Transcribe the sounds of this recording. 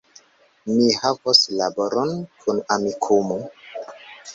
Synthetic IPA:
mihavoslaboɾonkʰunamikʰumo

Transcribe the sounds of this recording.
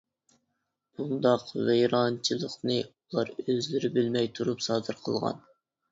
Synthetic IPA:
b̥und̪ɑqvejɾɑnt͡ʃʰɨlˠəqnɨulˠɑɾøzlɪɾɪbɪlmɛjt̪ʰuɾupsɑːd̪ɨɾqʰəlˠʁɑ̰n

